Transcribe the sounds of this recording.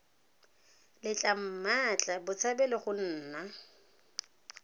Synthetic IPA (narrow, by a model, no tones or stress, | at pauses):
lɪt͡ɬʼam̩mat͡ɬʼabʊt͡sʰabɛlɪχʊn̩ːna